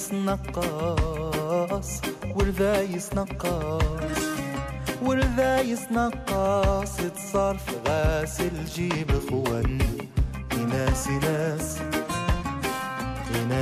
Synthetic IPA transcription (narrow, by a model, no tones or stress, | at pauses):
snɑqːɑ | sˤwɪɾðajɪsnɑqːɑsˤ | wɪɾðajɪsnɑqːɑsˤɪt̪sˤɑːɾˤfɣaːsɪlʒiːbɪxʊwan | ʔɪnasɪlas | ɪna